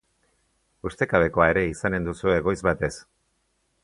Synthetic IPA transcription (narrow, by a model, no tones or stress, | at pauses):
ust̪e̞kaβe̞ko̞ae̞ɾe̞isane̞nd̪usue̞ɣo̞jzβat̪e̞s